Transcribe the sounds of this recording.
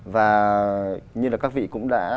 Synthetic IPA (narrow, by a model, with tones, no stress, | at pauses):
vaː˨˩ | ɲɨ˧laː˨˩kaː˦˥k̚vḭ˧˨kʊ̰˧˥ŋ͡mɗa̰ː˧˥